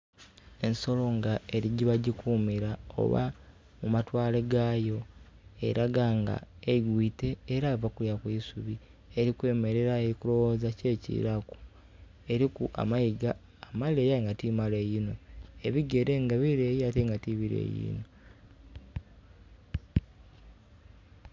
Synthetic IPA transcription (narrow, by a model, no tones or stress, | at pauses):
e̞nso̞lo̞ŋɡae̞ɾiɟiβaɟikʰuːmiɾao̰βa̰ | mumatwaːleɡaːjo̞ | ḛɾaɡaŋɡa̰eiɡwiːte̞ːɾavakuɾjakwiːsuβi | eɾikwe̞ːme̞ɾe̞ɾaeɾikuɾo̞wozace̞ːcḭɾaku̥ | e̞ɾikuʔa̰majiɡaː | maleːjaiŋɡatimalejino̞e̞βiɡe̞ɾe̞ŋɡaβiɾe̞jiateŋɡatiβiɾḛjḭːno